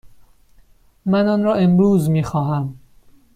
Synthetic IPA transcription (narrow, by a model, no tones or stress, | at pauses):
mænɒːnɾɒːʔe̞mɾuːzmiːxɒːɦæm